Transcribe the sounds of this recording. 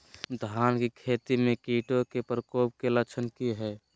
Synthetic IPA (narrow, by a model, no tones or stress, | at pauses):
d̪ʱaːnkikʰeːt̪imẽkiːʈokepɾəkoːp̚kelət͡ʃʰənkiɦɛː